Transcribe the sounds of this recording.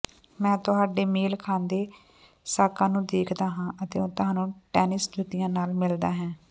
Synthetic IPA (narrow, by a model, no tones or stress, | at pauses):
mɛ̃ːt̪ʊɦaːɖeːmeːlkʰãːnd̪eː | saːkãːnũːd̪eːkʰd̪aːɦãːʔət̪eːõːt̪ʊɦãːnũːʈɛːnɪskʊt̪ɪjãːnaːlmɪld̪aːɦɛ̃ː